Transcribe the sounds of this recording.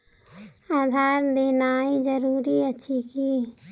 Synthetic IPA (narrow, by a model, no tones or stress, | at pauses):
aːd̪ʱaːɾd̪eːnaːĩd͡ʒəɾuːɾiɐtːʃʰiki